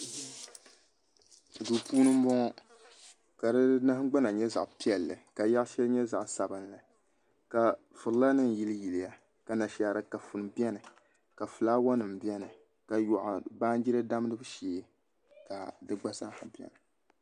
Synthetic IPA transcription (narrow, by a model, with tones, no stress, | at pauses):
duː˨pʰuː˦nɨ˦m̩˦bɔ˦ŋɔ˦ | ka˨dɨ˦nɨ˦hɡ͡ba˦na˨ɲɛ˦za̰˨ʔpi˦ɛ˨lːɨ̰˨ka˨ja˦ʔʃɛ˦lɲɛ˦za˨ʔsa˨bɨ˨nlɨ˨ | ka˨ | fɨ˨lɨ˨˦la˦nɨ˦n˨ji˦lɨ˦ji˨li˨ja˦ | ka˨na˨ʃa˨ɾɨ˨ka˨fu˨n˨bi˦ɛ˦nɨ˨ | ka˨fɨ˨laː˦wa˦nɨ˨m˨bi˦ɛ˦nɨ˨ | ka˨jɔ˨ʔa̰˨baː˦n˦d͡ʒi˦ɾɨ˦da˦m˦nɨ˦bɨ˦ʃeː˦ | ka˨dɨ˦ɡ͡ba˦sa˦ha˨bi˨ɛ̰˦nɨ˨